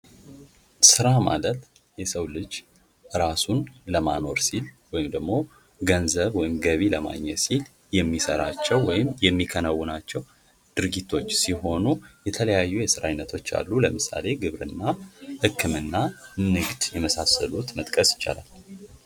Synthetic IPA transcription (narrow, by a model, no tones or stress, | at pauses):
sɨɾama̰lət̪ | jɛsəwlɨd͡ʒ | ɨɾasunləma̰no̞ɾsilwɔjɪmd̪əɡmo̞ | ɡənzəβwɔjɪmɡəβiləma̰ɲːɛt̪sil | jɛmːisəɾat͡ʃːɛwːɔjɪmjɛmːikʰənawːɨnat͡ʃːɛw | d̪̥ɨɾɡit̪ʰːo̞t͡ʃːsiɦo̞nujɛt̪ʰələjajːujɛsɨɾa̰jnːət̪ʰo̞t͡ʃːa̰lːuləmɨsa̰le̞ɡɨβɾɨnːahɨkʰːɨmɨnːanɨɡd̪jɛməsasəlut̪mət̪ʼkʼəsjɪ̥t͡ʃːa̰la̰l